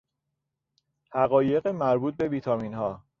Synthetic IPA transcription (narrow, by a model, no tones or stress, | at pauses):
hæɣɒːje̞ɣemæɾbuːt̪̚be̞viːt̪ʰɒmiːnhɒː